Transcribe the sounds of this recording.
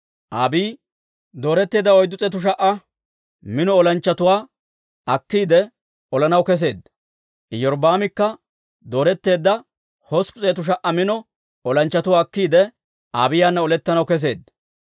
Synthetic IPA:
ʔaːbiː | d̪o̞ːɾɛt̪ːe̞ːd̪ːɐɔjd̪ːʊt͡sʼɛːt̪̬ʊʃ̬ɐʔɐ | mɪnɔɔlɐnt͡ʃːɐt̪ʊwaː | ɐkːiːd̪ɛ | ɔlɐnɐwkɛs̬e̞ːd̪ | ʔɪjɔɾbaːmɪkːɐ | d̪o̞ːɾɛt̪ːe̞ːd̪ːɐ | hɔspʊt͡sʼeːt̪ʊʃ̬ɐʔɐmɪnɔ | ɔlɐnt͡ʃːɐt̪ʊwaːkːiːd̪ɛ | aːbɪjaːnːɐɔlɛt̪ːɐnɐwkɛs̬e̞̰ːd̪

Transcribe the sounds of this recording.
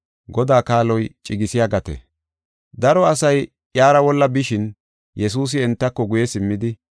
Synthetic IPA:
ɡɔd̪aːkaːlɔjt͡ʃʼɪɡɪsɪjaɡɐt̪ɛ̰ | d̪ɐɾɔɐsɐj | jaːɾɐwɔlːɐbɪʃɪn | jɛs̬uːs̬ɪɛnt̪ːɐkːɔɡʊjɛsɪmːɪd̪ɪ

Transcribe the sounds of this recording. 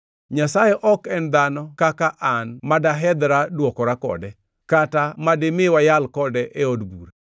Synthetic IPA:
ɲasajɛʔɔkɛnd̪anɔkakaʔanmadaɦɛd̪ɾadwɔkɔɾakɔ̰dɛ | katamadɪmɪwajalkɔdɛʔeodɡuɾe

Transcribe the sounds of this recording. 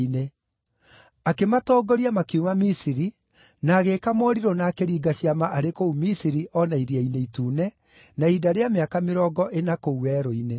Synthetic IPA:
ine | akematɔːɡɔɾiamakiumamisiɾi | naːɣekamɔːɾiɾɔnaːkeɾiːɡaɕiamaʔaɾekoumisiɾiʔɔnaiɾiaineituːnɛ | naidaɾeameakameɾɔːɡɔʔenakouwɛːɾoine

